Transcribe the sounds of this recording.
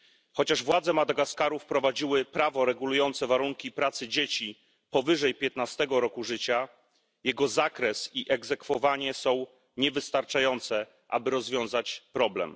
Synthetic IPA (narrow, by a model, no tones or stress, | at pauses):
xɔt͡ɕaʐvwad̪zɛmad̪aɡaskaɾufpɾɔvad͡ʑiwɘpɾavɔɾɛɡulujɔnt̪sɛvaɾuŋkʲipɾat̪sɘd͡ʑet͡ɕi | pɔvɘʐɛjpʲjɛt̪nast̪ɛɡɔɾɔkuʐɘt͡ɕa | jɛɡɔzakɾɛsiʔɛɡzɛkfɔvaɲɛsɔ̃w̃ | ɲɛvɘst̪aɾt͡ʂajɔnt̪sɛ | ʔa̰bɘɾɔzvʲjɔ̃w̃zat͡ɕpɾɔblɛ̰m